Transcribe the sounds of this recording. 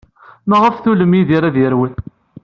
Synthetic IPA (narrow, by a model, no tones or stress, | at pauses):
nəʁəfθuləmiðiɾaðjəɾwən